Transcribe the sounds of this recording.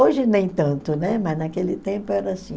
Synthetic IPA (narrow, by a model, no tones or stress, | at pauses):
oʒɪnẽj̃t̪ɐ̃nt̪ʊnɛmɐznakelɪt̪ẽmpʊɛɾɐsĩ